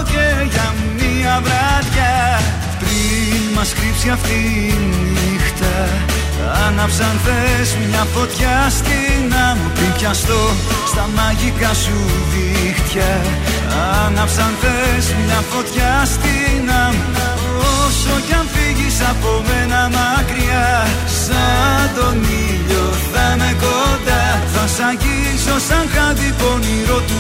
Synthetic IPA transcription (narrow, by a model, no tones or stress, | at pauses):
ceʝɐmiɐvɾɐðʝɐ | pɾi | nmɐsxɾipsiɐft̪i | ni | xt̪ɐ | ɐnɐpsɐnθesmɲɐfo̞t̪çɐst̪inɐmupɾimpçɐst̪o̞ | st̪ɐmɐʝikɐsuðixt̪çɐ | ɐnɐpsɐnθesmɲɐfo̞t̪çɐst̪inɐmu | osocɐnfiʝisɐpo̞menɐmɐkɾiɐ | sɐt̪o̞niʎo | θɐnekod̪ɐθɐsɐci | sosɐŋkɐðipo̞niɾo̞t̪u